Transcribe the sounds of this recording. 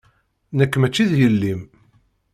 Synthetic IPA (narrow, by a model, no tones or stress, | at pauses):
nəkːmæt͡ʃːiðjəlːim